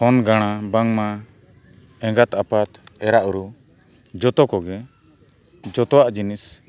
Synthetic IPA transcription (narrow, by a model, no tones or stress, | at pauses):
hɔnɡaɽ̃abaŋma | ɛ̃ŋɡat̪apat̪ɛɾaʔuɾu | d͡ʒɔt̪ɔkɔɡɛ | d͡ʒɔt̪ɔwaʔd͡ʒinis